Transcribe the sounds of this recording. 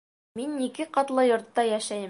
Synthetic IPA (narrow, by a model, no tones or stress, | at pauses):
minːikɘqɑt̪lˠɤjŏɾt̪ːɑjæʃæjɘ